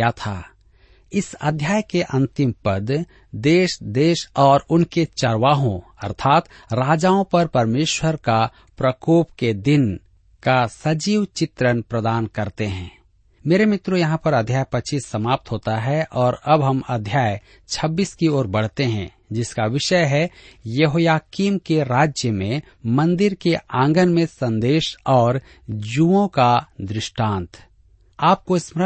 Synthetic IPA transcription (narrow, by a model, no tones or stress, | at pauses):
jat̪ʰa̰ː | ɪsə̰d̪ʱjaːjkeʔɐ̃nt̪ɪmpəd̪ | d̪eːʃd̪eːʃɔːɾʊnket͡ʃɐɾwaːɦõɐ̰ɾt̪ʰaːt̪ | ɾaːd͡ʒaːõpɐɾpɐɾmeːʃwəɾka | pɾəkoːpked̪ɪn | kasɐd͡ʒiːwt͡ʃɪt̪ɾənpɾəd̪aːnkɐɾt̪eɦɛ̃ | meːɾemɪt̪ɾojɐɦãpɐɾɐd̪ʱjaːjpɐt͡ʃiːsːɐmaːp̚t̪ɦoːt̪aɦɛʔɔːɾɐbɦɐmɐd̪ʱjaːj | t͡ʃʰɐbːiːskioːɾbɐɽ̤t̪eɦɛ̰̃ː | d͡ʒɪskaʋɪʃəɦɛjɐɦoːjaːkiːmkeɾaːd͡ʒjəmẽ | mɐ̃nd̪ɪɾkeãːŋɡənmẽsɐ̃nd̪eːʃɔːɾ | d͡ʒuːõkad̪ɾɪʃʈãːnt̪ʰ | aːp̚koɪsmɾə